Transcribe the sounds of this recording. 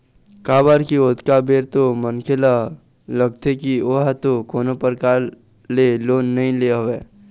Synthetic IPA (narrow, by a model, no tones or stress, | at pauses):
kaːbaːɾkioːt̪kabeːɾt̪omənkʰela | ləɡ̚t̪ekioːɦat̪okoːnopəɾkaːɾ | leloːnːɐɦĩleɦoʋeː